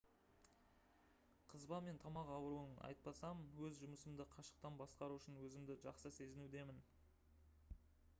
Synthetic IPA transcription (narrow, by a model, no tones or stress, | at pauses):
qʰəzbɑme̞nt̪ʰɑmɑqɑwəɾuənɑ̰jt̪̚pɑsɑmwɵzʒʊməsəmd̪əqʰɑʃə̥q̚t̪ɑnbɑsqɑɾuɪʃɪnwɵzɪmd̪ɪʒɑqsəse̞zɪnud̪e̞mɪn